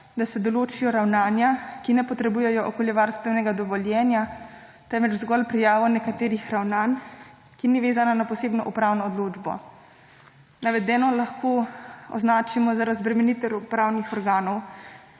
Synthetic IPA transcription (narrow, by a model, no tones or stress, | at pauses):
d̪asɛd̪ɔloːt͡ʃijɔɾawnaːnjakinɛpɔt̪ɾɛbujɛjɔʔɔkɔljɛʋaːɾst̪ʋɛwnɛɡad̪ɔʋɔljɛːnja | t̪ɛnʋɛt͡ʃzɡɔlpɾijaːʋɔnɛkat̪eːɾixɾawnaːn | kiniʋeːzananapɔseːbnɔʔupɾaːwnɔːd̪loːd͡ʒbɔ̰ | naʋɛd̪ɛːnɔlaxkʰoːɔ̰znaːt͡ʃimɔzaɾazbɾɛmɛnit̪ɛɾɔpɾaːwnixɔɾɡaːnɔw